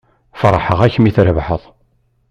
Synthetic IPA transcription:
fɾˤħəʁæçmiθɾəvħəðˤ

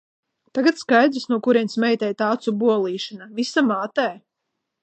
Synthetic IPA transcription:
t̪aɡat̪skajd̪ɾisnuɔkuɾiɛnsmɛjt̪ɛjt̪aːt̪subuɔlˠiːʃanavisamaːt̪ɛː

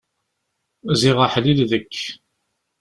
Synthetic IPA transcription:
ziʁəħlilðəkː

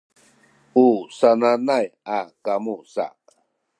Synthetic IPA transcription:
usananajakamusa̰

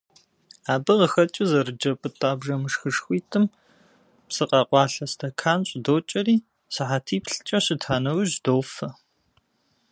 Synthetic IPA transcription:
aːbɨʁəxɐt͡ʃʼɪzɐrɨd͡ʒɐpʰʼɨtʼaːbʒɐmɨʂxɨʂxʷiːtʰɨm | psɨqʼɐqʷɑːɬɐstʰɐkʰaːnɕʷʼdoːt͡ʃʼɐɾiː | sɨħatʰiːpɬɨ̥t͡ʃʼɐɕɪtʰaːnɐwɨʒdoːfɐ

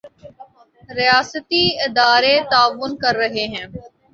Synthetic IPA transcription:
ɾɪjaːsət̪iɪd̪aːɾet̪aːʋːʊnkɐɾːɐɦeɦɛ̃ː

